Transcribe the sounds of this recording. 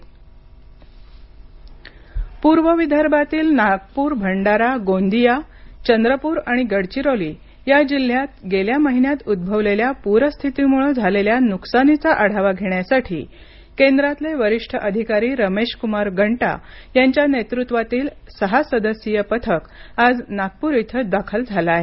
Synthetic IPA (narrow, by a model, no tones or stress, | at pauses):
puɾʋəʋid̪ʱəɾbat̪iːlnaɡ̚puːɾbʱəɳɖaɾaɡond̪ijat͡ɕənd̪ɾəpuːɾaɽ̃iɡəɽt͡ɕiɾoliː | jad͡ʑil̤ːjat̪̚ɡeljaməɦinjat̪ud̪̚bʱəʋleljapuɾəst̪ʰit̪imuɭəd͡zʱaleljanuksanit͡saʔəɽ̤aʋaɡʱeɳjasaʈʰiː | kend̪ɾat̪leʋəɾiʂʈʰəʔəd̪ʱikaɾiːɾəmeɕkumaɾɡʱəɳʈa̰jaɲt͡ɕjanet̪ɾut̪ʋat̪iːl | səɦasəd̪əsijəpət̪ʰəkad͡znaɡ̚puɾit̪ʰəd̪akʰəld͡zʱalaːɦe